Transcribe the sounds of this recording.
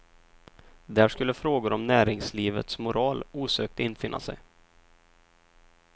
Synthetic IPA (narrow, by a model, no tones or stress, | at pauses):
d̪æːʂkɵlːəfɾoːɡʊɾɔmnæːɾɪŋsliːvə̰t̪smʊɾɑːluːsøːk̚t̪ɪnːfɪnːʔa̰sɛ̰j